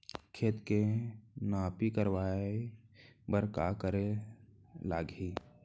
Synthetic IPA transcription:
kʰeːt̪kenaːpikəɾwaːe | bəɾka̰kəɾe | laːɡiː

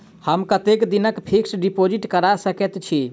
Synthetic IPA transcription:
həmkət̪ekd̪inəkpʰiksɖipod͡ʒiʈkəɾasəkɛt̪t͡ʃʰi

